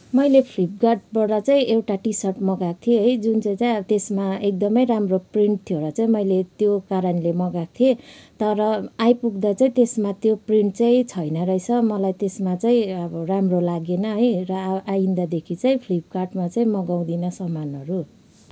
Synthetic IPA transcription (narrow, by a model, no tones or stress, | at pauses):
mʌjlepʰlip̚ɡarʈ̚bʌɽʌt͡saĩʔewʈaʈisʌrʈmʌɡat̪ʰieɦʌjd͡zunt͡saĩt͡saĩt̪esmaek̚d̪ʌmʌjɾamropriɳʈ̚t̪ʰioɾʌt͡saĩmʌjlet̪jokaɾʌnlemʌɡat̪ʰiet̪ʌɾʌajpuɡd̪at͡saĩt̪esmat̪jopriɳʈ̚t͡saĩt͡sʰʌjnʌɾʌjt͡sʰʌmʌlajt̪esmat͡saĩʌbʌramrolaɡenʌɦʌjrʌajind̪ad̪ekʰit͡saĩpʰlip̚karʈmat͡saĩmʌɡaw̃d̪inʌsʌmanʌɾu